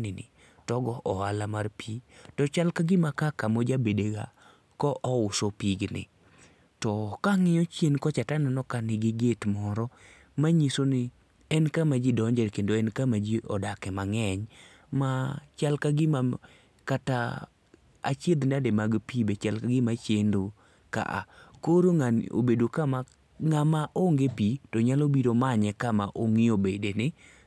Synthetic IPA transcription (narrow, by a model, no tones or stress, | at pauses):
nɪnɪ̰ | tɔɡɔʔɔalamarpitɔt͡ʃalkaɡɪmakakamod͡ʒabedeɡa̰ | kɔʔɔʊsopiɡnɪ̰ | tɔkaŋɪɔt͡ʃjenkɔt͡ʃatananɔkanɪɡɪɡetmɔɾɔ | maɲisonɪ | ɛnkamad͡ʒidɔɲd͡ʒɛɾkendoɛnkamad͡ʒiʔɔ̰dakɛmaŋɛɲ | mat͡ʃalkaɡɪma | kata | a̰t͡ʃed̪nademaɡpibet͡ʃalkaɡɪmat͡ʃendo | ka̰ʔa̰koɾoŋano̰bedokama | ŋamaʔoŋɡepitɔɲalobiɾomaɲɛkamaʔoŋɪobedenɪ